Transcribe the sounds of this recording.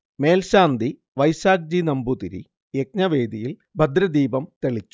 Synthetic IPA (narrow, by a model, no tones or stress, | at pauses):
me̞ːlɕaːnd̪i | ʋɐjsaːk̚d͡ʑinɐmbut̪iɾḭ | jek̚ɲɐʋe̞ːd̪ijil | bʱɐd̪ɾɐd̪iːbɐmt̪eɭikʲːu̥